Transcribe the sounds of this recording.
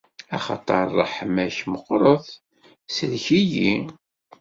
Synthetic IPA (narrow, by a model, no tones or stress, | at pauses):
ɑχɑ̰t̪ˤɑɾˤːə̰ħmæçməqːɾˤəθ | səlçiji